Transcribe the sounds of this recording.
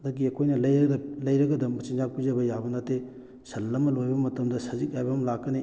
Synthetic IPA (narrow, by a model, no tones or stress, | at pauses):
dɐɡiɐkʰojnɐlɐjlɐjɾɐɡɐdɐmbɐt͡ʃinzapuzɐbɐjabɐnɐtːe | sɐlːɐmɐlojbɐmɐtɐmdɐsɐzik̚ajbɐmlakːɐni